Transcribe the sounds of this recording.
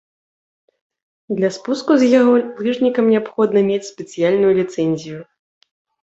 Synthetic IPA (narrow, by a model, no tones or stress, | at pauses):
d̪lʲaspuskuzjaɣɔlɨʐnʲikɐmnʲɛapxɔd̪nɐmʲet͡sʲspʲɛt̪sɨjalʲnujulʲit̪sɛnʲzʲiju